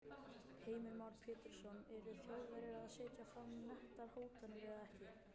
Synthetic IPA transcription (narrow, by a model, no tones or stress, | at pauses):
heːjmɪɾmawɾpʰɛːt̪ɪɾ̥sɔnɛɾʏ̥θoːwvɛɾɪɾaðseːjcafɾamnɛht̪aɾ̥hoːwt̪anːɪvɛðaðɛhcɪ